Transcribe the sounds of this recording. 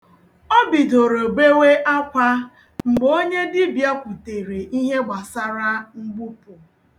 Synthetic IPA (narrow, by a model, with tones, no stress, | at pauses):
ɔ˦bi˨do˨ɾo˨ɡ͡be˦we˦ʔa˦kʷa˦ | ŋ͡m̩˨ɡ͡bo˦ɲe˦dɪ˦bja˦kʷu˨te˨ɾe˨ʔi˦ɦe˦ɡ͡ba˨sa˦ɾa˦ŋ͡m̩˦ɡ͡bu˦pʊ˨